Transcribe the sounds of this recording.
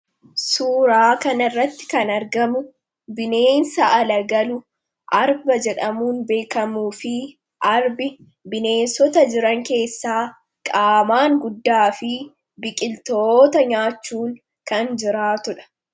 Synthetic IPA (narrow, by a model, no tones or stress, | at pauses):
suːɾaːkɐnɐrːɐt̪ːɪ̥kɐnɐɾɡɐmʊ | bɪne̞ːnsɐɐlɐɡɐlʊ | ʔɐɾbɐd͡ʒɛᶑɐmuːnbe̞ːkɐmuːfɪ | ʔɐɾbɪ | bɪne̞ːnsɔt̪ɐd͡ʒɪɾɐŋke̞ːsːaː | kʼaːmaːŋɡʊd̪ːaːfɪ | bɪkʼɪlt̪oːt̪ɐɲaːt͡ʃːuːŋ | kɐnd͡ʒɪɾaːt̪ʊᶑɐ̥